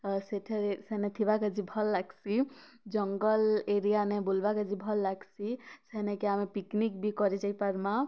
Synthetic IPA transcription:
seʈʰɛɾseɦnɛt̪ʰibakad͡ʒibʱɔlːaɡsid͡ʒɔŋɡɔleɾijanɛbulbakad͡ʒibʱɔlːaɡsiseɦnɛkɛamɛpiknikbʱikɔɾid͡ʒajpaɾma

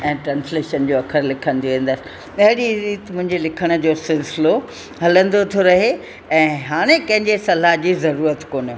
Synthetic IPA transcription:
ɛ̃ːʈɾãːnsleːʃənd͡ʑoːɐkʰəɾlɪkʰə̃nd̪ioʋẽːn̆d̪əsɪ̆ | ɐɦɪɽiɾiːt̪mʊ̃ɦɪ̃ɲd͡ʑelɪkʰəɽ̃ə̆d͡ʑoːsɪlsɪlo | ɦɐlə̃nd̪ot̪ʰoɾɐɦe | ɛ̃ːɦaːɽ̃ẽkɐ̃ɦɪ̃ɲd͡ʑesɐlaɦd͡ʑiːzɐɾuːɾət̪koːnijo

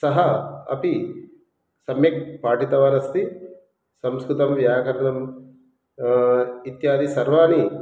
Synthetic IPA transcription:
sɐɦɐɐ̰pi | sɐmjɐk̚paːʈit̪ɐʋanɐst̪i | sɐmskɾut̪ɐmʋjaːkɐɾɐɳɐm | it̪jaːd̪ʱisɐɾʋaːni

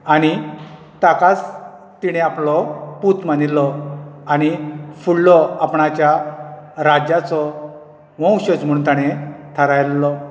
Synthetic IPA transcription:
aɽ̃i | t̪akat͡s | t̪iɽ̃eaplɔput̪manilːɔañifuɽlɔapɳat͡ɕja | ɾad͡ʑat͡sɔ | ʋɔ̃wɕəd͡zm̤uunt̪aɽ̃et̪ʰaɾajlːɔ

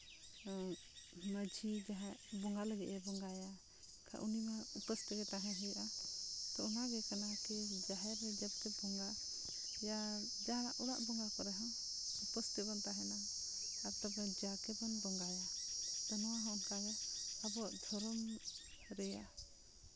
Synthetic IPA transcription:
məd͡ʒʱid͡ʒaɦɛʔbɔŋɡaləɡɛ̰ʔɛbɔŋɡaja | kʰa̰ʔunimaupəst̪iɡɛt̪aɦɛ̃ɦɛjʔat̪ɔɔnaɡɛkanakɛd͡ʒaɦɛɾːɛd͡ʒab̚kɛbɔŋɡa | ja | d͡ʒaɦɾa̰ʔuɾaʔbɔŋɡakɔɾɛɦaŋ | upəst̪it̪̚bɔnt̪aɦɛna | aɾt̪abɛd͡ʒakɛbɔnbɔŋɡajad̪̥ɔnɔwaɦɔ̃ɔnkaɡɛabɔaʔd̪ʱɔɾɔm | ɾɛja

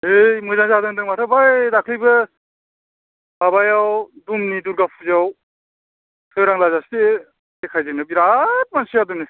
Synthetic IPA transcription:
hejmɯzaŋzadɯŋdɯŋmatʰɯbajdakʰlijbɯ | babajawdumniduɾɡapʰuzaw | tʰɯɾaŋlazaste | ekʰajzɯŋnɯbiɾat̚mansijadɯmni

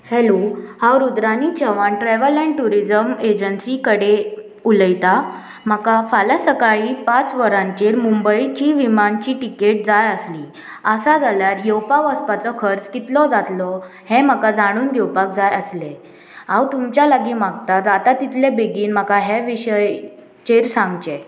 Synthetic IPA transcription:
hɛlohawɾud̪ɾanit͡ɕəʋãɳʈɾɛʋəlɛ̃ɳʈuɾid͡zəmed͡ʑənsikəɽe | uləjt̪a | m̤əkafalasəkaɭiːpat͡sʋəɾãɲt͡ɕeɾmumbəit͡ɕiʋimant͡ɕiːʈikeʈ̚d͡zajəsli | əsad͡zʱaljaɾjowpaʋəspat͡sɔkʰəɾt͡skit̪lɔd͡zat̪lɔ | hɛ̃m̤akad͡zʱaɽ̃uːnd̪ewpak̚d͡zajəsle | awt̪umt͡ɕjalaɡiːmaɡt̪at̪at̪at̪it̪lebeɡiːnm̤akaɦɛʋiɕəj | t͡ɕeɾsãŋɡt͡ɕe

